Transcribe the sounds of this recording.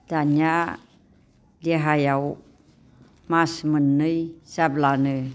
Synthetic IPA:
taɲa | dəɦajaw | masmənːəjsablanə

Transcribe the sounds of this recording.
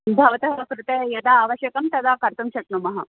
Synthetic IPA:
bʱaʋɐt̪ɐɦkɾut̪ejɐd̪aːʋɐɕjɐkɐmt̪ɐd̪ʱakɐɾt̪umɕɐʈnumɐɦa

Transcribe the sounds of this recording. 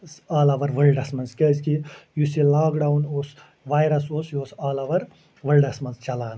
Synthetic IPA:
saːlɐʋɐɾʋɐlɖɐsmɐnzkʲɐzkijusilaːkɖawnoːs | ʋaːjɾɐsoːsjoːsaːlɐʋɐɾ | ʋɐlɖɐsmɐnzt͡ʃɐlaːn

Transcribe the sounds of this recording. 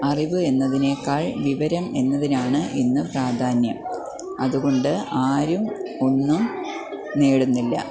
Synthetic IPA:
ɐriʋɨe̞nːɐðine̞ːkːaːɭʋiʋɐɾɐme̞nːɐðinaːɳɨʔinːɨpraːd̪ʱaːnjɐm | ɐðuɣo̞ɳɖɨaːɾumo̞nːum | neːɽunːilːɐ̰

